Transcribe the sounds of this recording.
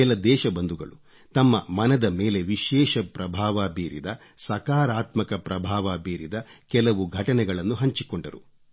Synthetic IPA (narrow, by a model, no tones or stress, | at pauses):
ɛlɐd̪ɛːʃɐbɐnd̪uɡɐ̰ɭu | t̪ɐmːɐmɐnɐd̪ɐmeːle̞ʋiʃɛːʃɐpɾɐbʱaːʋaːbiːɾid̪ɐ | sɐkaːɾaːt̪mɐkɐpɾɐbʱaːʋaːbiːɾid̪ɐkɛlɐʋuɡʱɐʈɐnɛɡɐɭɐnːuɦɐɲt͡ʃikoɳɖɐɾṵ